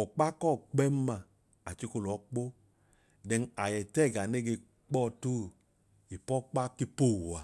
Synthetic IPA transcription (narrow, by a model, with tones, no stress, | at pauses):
ɔ˨k͡pa˦kɔ˦˨k͡pɛ˦m˦ma˧ | a˨t͡ʃi˧˦ko˧lɔ˨˦k͡po˦ | dɛ˧ŋa˨jɛ˨tɛ˦˨ɡa˨ne˦ɡe˧ | k͡pɔ˦˧tu˦˨ | i˨pɔ˦k͡pa˦ki˦po˦˨a˨